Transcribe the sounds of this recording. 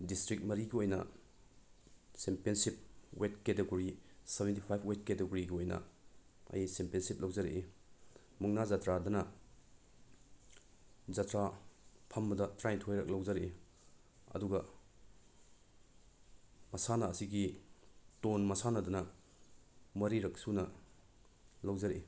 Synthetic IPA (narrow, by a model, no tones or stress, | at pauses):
distɾik̚t̚mɐɾiɡiojnɐ̰ | sempensip̚wet̚keteɡoɾisebentipʰajbʰwet̚keteɡoɾiɡiojnɐ̰ɐ̰jsempjensip̚lɐwzaɾeʔe | muŋnazatɾadɐnɐ | zɐtɾapʰɐmɐdɐtɾajntʰojɾɐk̚lɐwzɐɾe | ɐ̰duɡɐ | mɐsanɐːsiɡi | tonmɐsanɐdɐnɐ | mɐɾiɾɐk̚sunɐ | lɐwzɐɾḛ